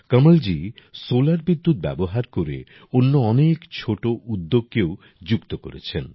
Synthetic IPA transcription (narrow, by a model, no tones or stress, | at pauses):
kəməld͡ʑisolaɾbid̪ːut̪̚bɛboɦaɾkoɾḛ | onːoɔnekt͡ɕʰoʈoʔud̪ːoɡ̚kew | d͡ʑukt̪oko̰ɾet͡ɕʰen